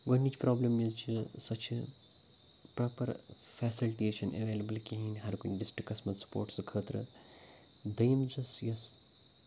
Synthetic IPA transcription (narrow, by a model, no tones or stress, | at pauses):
ɡonːit͡ʃpɾɔːblɐmizt͡ʃisɐt͡ʃe | pɾaːpɐɾ | fɛːsilʈeːʃɐnʔḛʋeːlɐbəlkiɦĩnɦaɾkunɖisʈkɐsmɐt̪sɐ̥po̰ːɾʈsɨkʰəːt̪ɾɨ | d̪ɐjmd͡ʒɐsjɐs